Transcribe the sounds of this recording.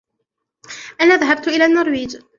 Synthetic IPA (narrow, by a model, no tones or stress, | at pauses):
ʔanaːðaɦab̚t̪ʔɪlaːnːʊɾˤwiːd͡ʒ